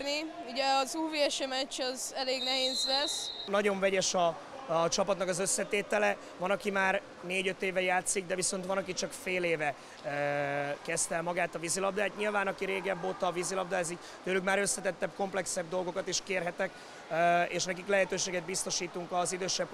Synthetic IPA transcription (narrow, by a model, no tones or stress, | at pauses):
niuɟɛɒzuːviɛʃɛmɛt͡ʃːɒzɛleːɡnɛɦeːzlɛsnɒɟo̞ɱvɛɟɛʃɒ | t͡ʃɒpɒt̪nɒkɒzø̞sːɛt̪eːt̪ɛlɛ | vɒnɒkimaːr | neːɟø̞t̪ːeːvɛjaːt̪siɡ̚d̪ɛviso̞n̪t̪ʋɒnɒkit͡ʃɒkfeːleːvɛ | kɛst̪ɛlmɒɡaːt̪ɒvizilɒb̚d̪aːt̪ɲilvaːnɒkiɾeːɡɛbːot̪ɒvizilɒb̚d̪aːziː | t̪øːlyɡmaːɾø̞sːɛt̪ɛt̪ːɛpko̞mplɛksɛb̚d̪o̞lɡo̞kɒt̪eːʃkeːrɦɛt̪ɛk | eːʃnɛkiklɛɦɛt̪øːʃeːɡɛd̪̚bist̪o̞ʃiːt̪uŋkɒzid̪øːʃɛb̚